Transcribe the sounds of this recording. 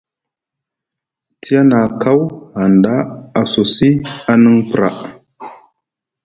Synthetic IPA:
tʰi˦ja˦na˨ka˦wha˨nda˦a˨so˨si˦a˦nə˦ŋpɾa̰˨

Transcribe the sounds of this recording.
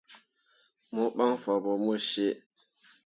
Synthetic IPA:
mo˦ɓa˦ŋfa˨bɔ˨mo˦ʃe˦

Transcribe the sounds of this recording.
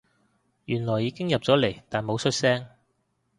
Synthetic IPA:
jyː˨˩nlɔː˨˩jːiː˨˧kɪ˥ŋjɐ˨p̚t͡sɔː˨˥le˨˩jt̪aː˨nmo˨˧wsɵ˥t̚sɛː˥ŋ

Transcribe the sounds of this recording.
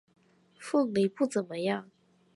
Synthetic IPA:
fɤ˥˩ŋli˨˩pu˥˩t͡sə˨˩nmə˦jɑ˥˩ŋ

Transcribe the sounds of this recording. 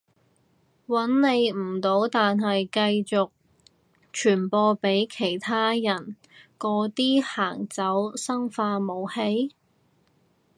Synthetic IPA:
wɐ˨˥nne˨˧jm̩˨˩t̪o˨˥wt̪aː˨nɦɐ˨jkɐ˧jt͡sʊ˨k̚ | t͡ʃʰyː˨˩npɔː˧pe˨˥jkʰe˨˩jt̪ʰaː˥jɐ˨˩n | kɔː˧t̪iː˥haː˨˩ŋt͡sɐ˨˥wsɐ˥ŋfaː˧mo˨˧whe˥j

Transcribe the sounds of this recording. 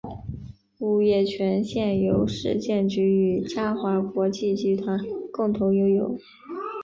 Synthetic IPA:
u˨˩jɛ˥˩t͡ɕʰɥɛ˧˥nɕjɛ˥˩njo˧˥ʊʂɻ̩̰˥˧t͡ɕjɛ˥˩nt͡ɕy˧˥y˨˩t͡ɕja˥xwa˧˥kwɔ˧˥t͡ɕi˥˩t͡ɕi˧˥t̪ʰwa˧˥nkʊ˥˩ŋt̪ʰʊ˧˥ŋjo˧˥ʊjo˨˩˦ʊ

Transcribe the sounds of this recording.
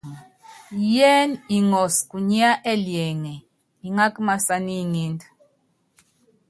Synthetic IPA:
jɛ˦ni˨ŋɔ˨sku˨ɲi˦a˦ʔɛ˦ljɛ˨ŋɛ˨ | i˨ŋa˦kma˨sa˨ni˦ŋi˦nd

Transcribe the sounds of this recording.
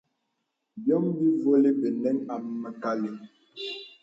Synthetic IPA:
bjɔ˦ŋbi˦vo˦le˦be˨nɛ˦ŋa˨m˦mə˨ka˦li˨

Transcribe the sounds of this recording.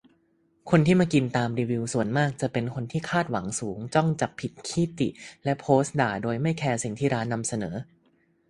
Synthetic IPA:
kʰo˧nt̪ʰiː˥˩maː˧ki˧nt̪aː˧mɾiː˧wi˧wsu˨˩ənmaː˥˩k̚t͡ɕa˨˩pe˧nkʰo˧nt̪ʰiː˥˩kʰaː˥˩t̪̚wa˩˦ŋsuː˩˦ŋt͡ɕɔ˥˩ŋt͡ɕa˨˩pʰːi˨˩t̪̚kʰiː˥˩t̪ḭ˨˩lɛ˦˥pʰoː˦˥sdaː˨˩doː˧jma˥˩jkʰɛː˧si˨˩ŋt̪ʰiː˥˩ɾaː˦˥nːa˧msa˧nɤ̰ː˩˦

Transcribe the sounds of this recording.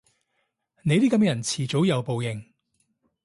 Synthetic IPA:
ne˨˧jt̪iː˥kɐ˧˥m˥jɐ˨˩nt͡sʰiː˨˩t͡so˨˥wjɐ˨˧wpo˨wjɪ˨˩ŋ

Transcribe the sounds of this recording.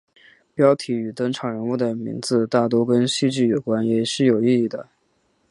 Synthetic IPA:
pjɑ˥ʊt̪ʰi˧˥y˨˩t̪ɤ˥ŋʈ͡ʂʰɑ˨˩ŋɻə˧˥nu˥˩d̪ə˩mḭ˧˥ŋd͡zɹ̩˧t̪a˥˩t̪wɔ˥kə˥nɕi˥˧t͡ɕy˥˩jo˨˩ʊkwa˥njɛ˨˩ʂɻ̩˥˩jo˨˩ʊi˥˧i˥˩d̪ə̰˩

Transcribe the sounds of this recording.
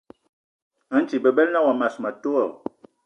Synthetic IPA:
a˨˦n˦t͡ʃi˨bə˨bɛ˦lna˦˨wa˨ma˨sma˨to˦ɔ˨

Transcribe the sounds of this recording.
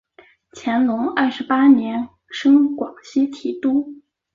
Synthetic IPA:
t͡ɕʰjɛ˧˥nlʊ˧˥ŋɐ˥˩ʂɻ̩˧˥pa˥njɛ˧˥n | ʂɤ˥ŋkwɑ˨˩ŋɕi˥t̪ʰi˧˩t̪u˥

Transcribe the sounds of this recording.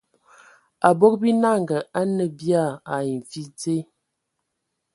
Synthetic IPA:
a˨bo˦k̚bi˦na˦˨ŋɡə˨ʔa˦nə˨bja˦˨a˨i˨ɱ˨fi˦d͡ze˦

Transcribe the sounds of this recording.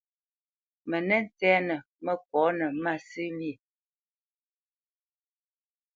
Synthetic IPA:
mə˨nɛ˦n˨tɛː˦nə˨ | mə˦kɔ˨˦nə˨ma˦˨sɨ˦li˦˨

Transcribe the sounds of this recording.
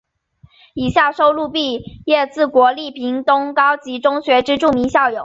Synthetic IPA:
i˨˩ɕja˥˩ʂo˥ʊlu˥˧pi˥˧jɛ˥˧t͡sɹ̩˥˩kwɔ˧˥li˥˩pʰi˧˥ŋt̪ʊ˥ŋkɑ˥ʊt͡ɕi˧˥ʈ͡ʂʊ˥ŋɕɥɛ˧˥ʈ͡ʂɻ̩˥ʈ͡ʂu˥˩mi˧˥ŋɕjɑ˥˩ʊjo˨˩˦ʊ

